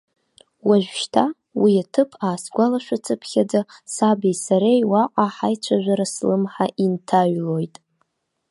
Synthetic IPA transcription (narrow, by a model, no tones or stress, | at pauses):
waʒᶣʷʃtʰa | wiatʰɨpʰaːsɡʷalaʃʷᶣat͡sʰɨpʰχʲad͡zasabisaɾejwaqʼaħajt͡ʃʷʰaʒᶣʷaɾaslɨmħaʔintʰaɥlo̞jtʼ